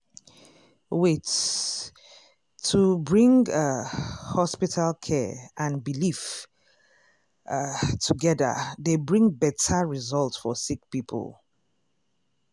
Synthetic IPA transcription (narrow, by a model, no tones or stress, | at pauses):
wɪt | tʰːubɹĩŋɡ | hɔspitʰalˠkʰɛʔãnbilif | tʰuɡɛðə̰ðebɹĩŋbɛtʰəɹizɔlˠtsfɔsik̚pipʰə̰lˠ